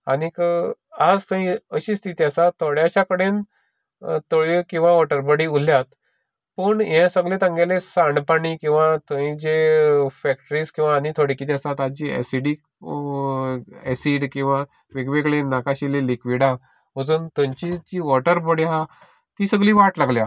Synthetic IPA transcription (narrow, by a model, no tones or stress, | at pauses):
anikəad͡zt̪əĩəɕiːst̪ʰit̪iasat̪ʰoɽjaɕakəɽen | t̪oɭikĩw̃ʋaʋɔʈəɾbəɽiːuljat̪ | pəɳɦẽsəɡlet̪ãŋɡelesaɳɖpaɽiːkĩw̃ʋat̪əĩd͡ʑefɛk̚ʈəɾiːskĩw̃ʋaːnit̪ʰoɽikit̪̬iasat̪ad͡ʑiɛ̰siɽiːk | ɛsiɖkĩw̃ʋa | ʋeɡʋeɡɭenakaɕilelikʋiɽa | məd͡zuːnt̪ə̃ɲt͡ɕid͡ʑiːʋɔʈəɾbəɽiɦã | t̪iːsəɡliːʋaʈlaɡlja